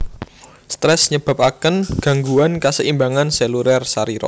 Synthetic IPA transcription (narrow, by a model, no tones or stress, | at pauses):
st̪ɾɛsɲəb̥a̤p̚akənɡ̥ä̤ŋɡuankasəʔimbaŋansɛluɾɛrsaɾiɾɔ̰